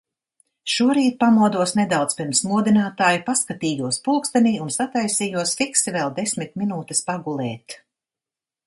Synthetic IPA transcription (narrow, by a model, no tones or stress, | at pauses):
ʃuɔɾiːt̪̚pamuɔd̪uɔsned̪awt̪spiɾmsmuɔd̪inaːt̪aːjipaskat̪iːjuɔspulˠkst̪aniːunsat̪ajsiːjuɔsfiksivɛlˠd̪esmit̪̚minuːt̪ɛ̥spaɡulˠɛːt̪